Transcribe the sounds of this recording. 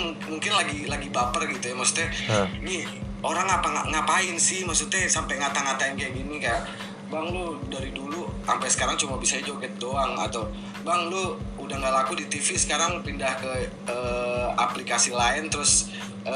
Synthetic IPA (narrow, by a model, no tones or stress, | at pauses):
muŋkɪnlaɡilaɡibapərɡit̪ujamaksu̥t̪ɛni | oɾaŋapaŋaŋapaɪnsɪhmaksut̪ɛsampaŋat̪aŋat̪aɪnkaaɡinikaja | baŋlʊdaɾidulua̰mpasə̥kaɾaŋt͡ʃumabisad͡ʒoɡɛt̪̚doaŋa̰t̪aw | baŋlʊudahŋɡalakudit̪ifisə̥kaɾaŋpindahkə | əaplikasilaɪnt̪əɾʊs | ə